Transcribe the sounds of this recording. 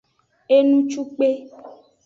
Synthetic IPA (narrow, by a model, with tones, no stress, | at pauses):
e˦nũ˦t͡ʃu˦k͡pe˦